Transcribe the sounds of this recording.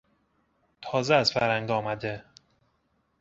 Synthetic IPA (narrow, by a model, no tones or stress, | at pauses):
t̪ʰɒːzeæzfæɾhæŋɡɒːmæd̪e